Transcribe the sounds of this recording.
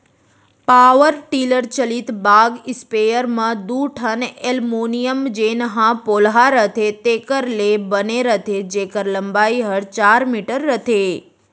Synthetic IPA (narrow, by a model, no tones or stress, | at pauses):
paʋəɾʈiləɾt͡ʃəlit̪baɡispejəɾmãd̪uʈʰənɛlmonijəmd͡ʒenəɦãpolɦaɾət̪ʰet̪ekəɾlebəneɾət̪ʰed͡ʒekəɾləmbaiɦəɭt͡ʃaɾmiʈəɾːət̪ʰe